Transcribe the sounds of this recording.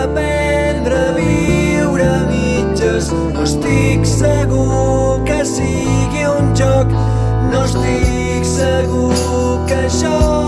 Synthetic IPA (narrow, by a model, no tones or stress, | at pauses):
əpɛ | nd̪ɾəβi | wɾəmi | d͡ʒəs | nost̪iksəɣu | kəsi | ɣiunʒɔk | nost̪i | ksəɣu | kəʃɔ